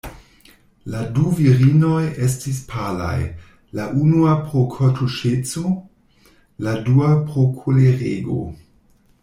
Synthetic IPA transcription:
laduviɾino̞jes̬tispʰala̰j | laʔunuapɾokʰotʰuʃet͡so | laduapʁokʰuleʁeɡo̰

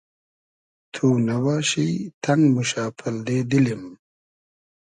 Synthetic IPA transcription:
t̪ʰunɐwaɕit̪ʰɐŋɡmuɕaːpʰɐld̪eːd̪ilim

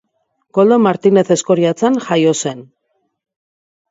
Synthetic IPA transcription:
ko̞ld̪o̞maɾt̪ine̞θe̞sko̞ɾiat͡sanxajo̞se̞n

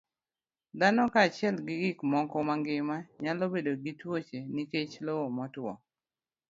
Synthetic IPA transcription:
d̪anɔkaːt͡ʃɪɛlɡɪɡɪkmɔkɔmaŋɡɪmaɲalobedoɡitwot͡ʃeniket͡ʃlowomɔtwɔ̰

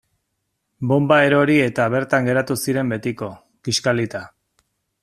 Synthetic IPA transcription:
bo̞mbaeɾo̞ɾie̞t̪aβe̞ɾt̪aŋɡe̞ɾat̪usiɾe̞mbe̞t̪iko̞ | ɡ̥iʃkalit̪a

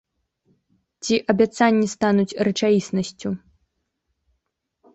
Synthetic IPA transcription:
t͡sʲiʔɐbʲat̪sanʲːist̪anut͡sʲrɐt͡ʂajisnɐsʲt͡sʲu

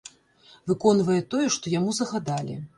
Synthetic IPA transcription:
vɨkɔnvɐjɛt̪ɔjɛʂt̪ɔjamuzɐɣad̪alʲḭ

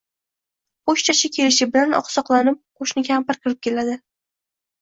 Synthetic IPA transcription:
qoʃt͡ʃʰat͡ʃʰakʲʰe̞lɪʃɪbɪlanɒ̰qsɒqlˠanɪp̚qʰoʃnɪɡʲahampɪɾkʲʰɪɾɪp̚kʲe̞lad̪ɪ

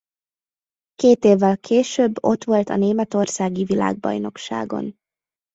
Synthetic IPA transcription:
keːt̪eːvːɛlkʰeːʃøːbːo̞̰t̪ʋo̞lt̪ɒneːmɛt̪o̞rsaːɡivila̰ːɡ̚bɒ̰jno̞kʃa̰ːɡo̞̰n

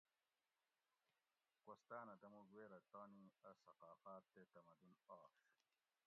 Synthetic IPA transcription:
kost̪aːnɐd̪ɐmuɡweːɾɐt̪oːniɐsɐqaːfaːt̪ːet̪ɐmɐd̪unaːʂ

